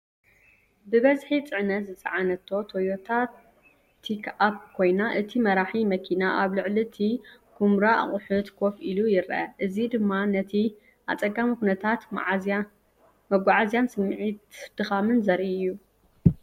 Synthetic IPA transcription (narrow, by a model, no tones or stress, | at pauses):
bɨβɐzħit͡sʼɨʕnɐt̪zɨt͡sʼɐʕanɐt̪ʰːo̞t̪ʰojot̪ʰat̪ʰː | ikʰap̚kʰo̞jnaʔɨt̪ʰimɐɾaħimɐkʰinaʔaβlɨʕlit̪ʰikʰumɾaʔa̰χʼʊħʊt̪kʰofʔilujɪɾʔɐ̰ʔɨzid̪ɨmːanɐt̪ʰi | ʔa̰t͡sʼɐɡamikunɐt̪ʰat̪ | mɐɡʷaʕazijansɨmːʕit̪d̪̥ɨxamɨnzɐɾʔiɨjːu